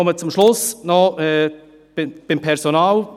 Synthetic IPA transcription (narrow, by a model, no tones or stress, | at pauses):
ɔmət͡sʊmʃlʊsnɔɛː | b̥ɪb̥ɪmpʰɛɾsonaːl